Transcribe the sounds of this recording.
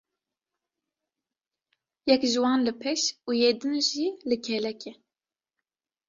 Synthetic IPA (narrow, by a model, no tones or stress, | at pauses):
jɛkʒɨwɑːnlɨpʰɛʃuːjeːd̪ɨnʒilɨkʰɛlɛkɛ